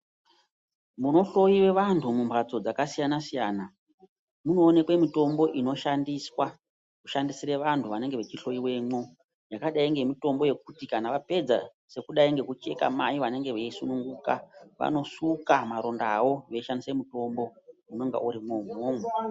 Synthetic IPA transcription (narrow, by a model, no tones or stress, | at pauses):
muno̞ɬo̞jiwe̞ʋantʰumumbʰʱat͡so̞d͡zakasijanasijaːna | muno̞ːne̞kwe̞mito̞mbo̞ʔino̞ʃandiswa | kuʃandisireʋantʰuʋane̞ŋɡeʋe̞t͡ʃiɬo̞iwe̞mo | jakaɗaiŋɡe̞mito̞mbo̞je̞k̚utikanaʋape̞d͡za̰ | se̞kuɗaiŋɡe̞kut͡ʃe̞̰ka̰maiʋane̞ŋɡe̞ʋeisunuŋɡuka̰ʋa̰no̞sukamaɾo̞ndawo̞ʋe̞ʃandisemuto̞mbo̞muno̞ŋɡa̰ʔuɾimomoːmwe